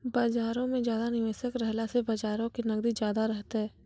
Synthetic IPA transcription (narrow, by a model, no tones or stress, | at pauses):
baːd͡ʒaːɾõmẽd͡ʒjaːd̪anɪʋeːsəkɾɦlasebaːd͡ʒaːɾõkinɐɡd̪id͡ʒjaːd̪aɾɛɦt̪eɦɛː